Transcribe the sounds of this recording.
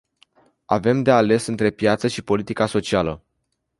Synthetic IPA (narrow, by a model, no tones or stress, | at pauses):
a̰ve̞md̪e̞ale̞sɨnt̪ɾe̞pjat̪səʃipo̞lit̪ikaso̞t͡ʃialə